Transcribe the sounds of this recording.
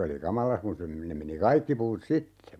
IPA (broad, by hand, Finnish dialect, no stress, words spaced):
oli kɑmɑlɑ kun se nem̆ meni kɑikːi puːt sitːe